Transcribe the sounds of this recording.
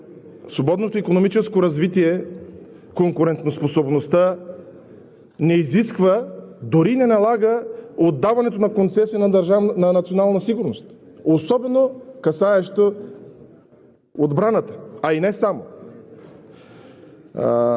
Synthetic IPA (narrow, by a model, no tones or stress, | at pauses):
svobɔd̪not̪oikonomit͡ʃɛskoɾɐzvit̪iɛ | koŋkʊɾɛnt̪nosposobnost̪ə | nɛiziskvəd̪oɾinɛnɐlˠaɡəod̪ːavɐnɛt̪onɐkont̪sɛsiənɐd̪ɐɾʒanɐnɐt̪sionalˠnɐsiɡʊɾnost̪ | osɔbɛnokɐsaɛʃt̪o | od̪bɾanət̪ə̥ainɛsamo